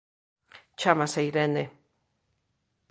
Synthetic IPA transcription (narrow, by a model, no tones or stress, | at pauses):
t͡ʃamasejɾene